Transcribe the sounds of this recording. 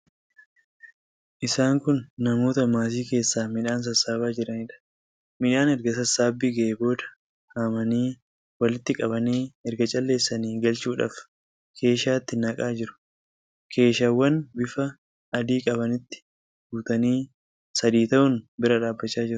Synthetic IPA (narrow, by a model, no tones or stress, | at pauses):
ʔɪsaːŋkʊnːɐmo̞ːt̪ɐmaːs̬iːke̞ːsːaːmɪᶑaːns̬ɐsːaːbaːd͡ʒɪɾɐnɪᶑɐ̥ | mɪᶑaːnɛɾɡɐs̬ɐsaːbːiɡɐebo̞ːd̪ɐ̥ | haːmɐniː | wɐlɪt̪ːɪkʼɐbɐniːɛɾɡɐt͡ʃʼɐlːe̞ːsːɐniːɡɐlt͡ʃuːᶑa̰ːf | kʰe̞ːʃaːt̪ːɪnɐkʼaːd͡ʒɪɾʊ̥ | kʰe̞ːʃaːwːɐnbɪfɐ | ʔɐd̪iːkʼɐbɐnɪt̪ːɪ̥ | ɡuːt̪ɐniː | sɐd̪iːt̪ɐʔʊnbɪɾɐᶑaːbːɐt͡ʃːaːd͡ʒɪɾʊ